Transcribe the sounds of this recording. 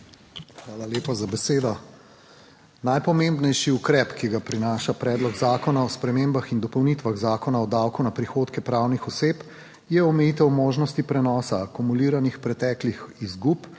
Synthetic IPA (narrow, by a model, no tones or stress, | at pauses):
xʋaːlaleːpazabɛseːd̪ɔ | najpɔmembnɛjʃiukɾɛpkiɡapɾinaːʃapɾɛːd̪lɔɡzaːkɔnaɔspɾɛmeːmbaxind̪ɔpɔwnit̪ʋaɣzaːkɔnaɔd̪awkunapɾixoːt̪kɛpɾawnixɔseːp | jɛɔmɛjit̪ɛwmoːʒnɔst̪ipɾɛnɔːsaːkumuliːɾanixpɾɛt̪ɛːklixizɡup